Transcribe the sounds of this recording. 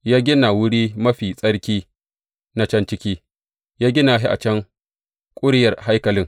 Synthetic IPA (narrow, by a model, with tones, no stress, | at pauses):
jaː˦ɡʲɪ˦na˨wʊ˦ɽiː˦mɐ˦ɸiː˨sʼɐ˦ɽkʲiː˦ | na˦t͡ʃɐ˦nt͡ʃɪ˦kʲiː˦ | jaː˦ɡʲɪ˦na˨ɦi˦ʔa̰˨t͡ʃɐ˦ŋ | kʷʼʊ˦ɽjɐ˨rha˦jkɐ˨lɪ˦ŋ